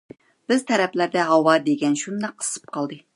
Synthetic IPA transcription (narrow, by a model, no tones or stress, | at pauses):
b̥ɪzt̪ʰɛɾɛplæɾd̪ɛɦɑwɑd̪eɡʲɛnʃund̪ɛqʰːə̥sɨ̥p̚qʰɑlˠd̪ɨ